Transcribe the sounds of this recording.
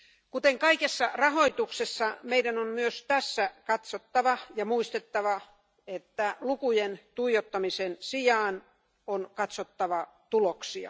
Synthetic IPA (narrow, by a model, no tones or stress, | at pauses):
kut̪eŋkɑikesːɑrɑhoit̪uksesːɑmeidænommyøst̪æsːækɑt̪sot̪ːɑʋɑjɑmuist̪et̪ːɑʋɑ | et̪ːælukujent̪uijot̪ːɑmisensijɑːn | onkɑt̪sot̪ːɑʋɑ | t̪uloksiɑ̰